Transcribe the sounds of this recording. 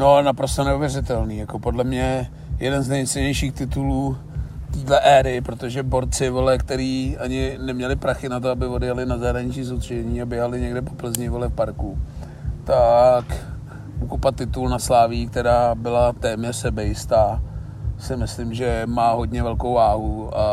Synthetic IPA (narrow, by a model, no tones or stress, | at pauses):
nonapɾost̪onɛuvjɛɾrɪt̪ɛlniːjako̞po̞dlɛmɲɛ | jɛdɛnznɛjt̪sɛɲɛjʃiːxt̪ɪt̪uluː | t̪iːdlɛʔɛːɾɪpɾot̪oʒɛbo̞ɾt͡sɪvɪlɛkt̪ɛɾiːʔaɲɪnɛmɲɛlɪpɾaxɪnat̪oabɪvo̞djalɪnazaɦɾaɲɪt͡ʃiːsot̪r̥iʒɛɲiːabjɛɦalɪɲɛɡdɛpo̞plɛzɲɪvlɛfpaɾku | t̪ak | ʔukopat̪ːɪt̪ulnaslaːvɪjːk̚t̪ɛɾaːbɪlat̪ɛːmɲɛr̥sɛbɛjɪst̪aː | sɪmɪslɪmʒɛmaːɦo̞dɲɛvɛlkowvaːɦuʔa